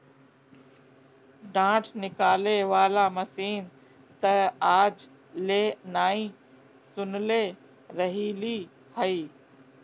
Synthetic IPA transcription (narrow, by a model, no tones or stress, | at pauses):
ɖãːʈʰnɪkaːleʋaːlamɐsiːn | t̪ɐaːd͡ʑ | leːnaːĩː | sʊnɪle | ɾɐɦiːliː | hɐiː